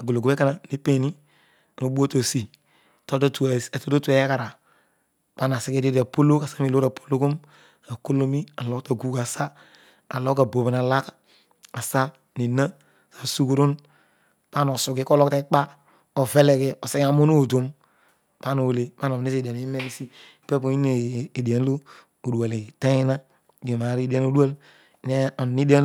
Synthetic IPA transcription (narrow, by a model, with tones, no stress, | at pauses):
a˨ɡo˨lo˨ɡo˨be˦ka˦na˨ni˦pe˨ni˦ | a˨no˨bu˦o˦to˨si˨ | to˦do˦tu˨a˨to˦do˦tu˦e˨˦e˦ka˨ɾa˨ | b̥a˦na˨si˦ɡe˦de˦da˨po˦lo˦ka˨sa˦mi˨lo˦ɾa˨pʰo̥˦lo˦ko˦m | a˨ko˦lo˦mi˦a˨lo˦kta˨ɡu˦ka˨sa˦ | a̰˨lo˦ka˨bo˨bi˨n˨a˨la˦k | a˨sa˦ | ni˨na˦˨ | sa˨su˦ku˦ɾu˦n | pa˦no˨su˨ɡi˦ko˦lɔ˦kta˦k͡pa˦ | o˨ve˦le˨ke˨ɔ˨se˦ka˦˨mo˦no˦˨to˦m | pa˦no˨o˨le˨pa˦no˨ne˦se˨dn˦i˦me˦ni˦si˦˨ | pe˦po˨i˦ne˨da˨n˦lo˦ | o˨du˨a˨li˨ta˦ji˦na˦˨ | je˨ma˨˦ɾi˦da˦no˦du˦a˦l | ne˦o˨ni˦di˦a˦